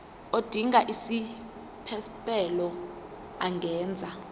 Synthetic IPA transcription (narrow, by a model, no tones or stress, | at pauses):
od̥ʱiŋaʔisi | pʰɛspʼɛlɔ | aŋɡʱɛːnd͡zʱa